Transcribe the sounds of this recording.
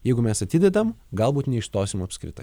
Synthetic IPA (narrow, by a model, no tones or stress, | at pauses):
jɛɪɡʊmʲɛsɐt̪ʲɪd̪ʲɛd̪ɐmɡɐlˠbuːt̪nʲɛɪʃst̪oːsʲɪmɐpʲskɾʲɪ̰t̪ɐ̰ɪ